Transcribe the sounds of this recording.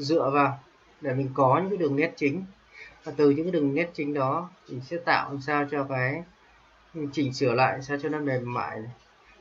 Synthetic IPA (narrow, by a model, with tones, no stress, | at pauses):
zɨ̰˧˨əvaː˨˩w | ɗe˧˩mï˨˩ŋ̟kɔ˨˦ɲɨ̰˧˥ɗɨ˨˩əŋːɛ˦˥t̚t͡ɕï˨˦ŋ̟ | vaː˨˩t̪ɨ˨˩ɲɨ̰˧˥ŋa˨˦ɗɨ˨˩əŋːɛ˦˥t̚t͡ɕï˨˦ŋ̟ɗɔ˨˦t̪ʰi˨˩sɛ̰˧˥t̪a̰ː˧˨wʔsaː˧wt͡ɕɔ˧kaː˨˦j | t͡ɕï˧˩ŋ̟sɨ˧˩əla̰ː˧˨jsaː˧wt͡ɕɔ˧na˨˧˦mɛ˨˩mːa̰ː˧˨j